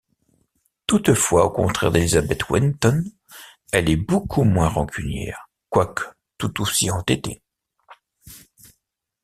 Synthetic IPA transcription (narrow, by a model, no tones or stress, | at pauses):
t̪ut̪fwaokɔ̰̃t̪χɛ̰ʁd̪elizabɛt̪wint̪ɔn | ɛlɛbokʰumwɛ̃ʁɑ̃kʰʲynjɛ̰ʁ | kwakə̥ | t̪ut̪osiɑ̃t̪et̪e